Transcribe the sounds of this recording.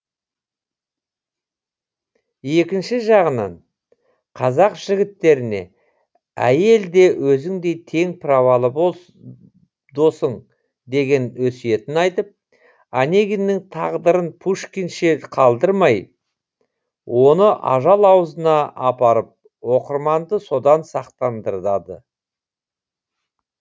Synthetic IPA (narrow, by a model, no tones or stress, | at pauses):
je̞kʲɪnʃɪʒɑʁənɑ̰ɴ | qʰɑzɑqʒ̥ɪɡʲɪt̪ːe̞ɾɪne̞̰ | æ̰je̞ld̪e̞wʔɵzɪŋd̪e̞jt̪ʰe̞ŋpʰravɑlˠə | d̪o̞səɴ | d̪e̞ɡʲe̞nwɵsije̞t̪ɪnɑjt̪əp̚ | anʲe̞ɡʲinːɪŋt̪ʰɑʁd̪əɾənpʰuʃkʲinʃeqʰɑlˠd̪əɾmɑj | wo̞nəʔɑ̰ʒɑlˠɑwəzənɑɑpɑɾəp̚ | wo̞qəɾmɑnd̪əso̞d̪ɑnsɑqt̪ɑnd̪əɾd̪ɑd̪ə̰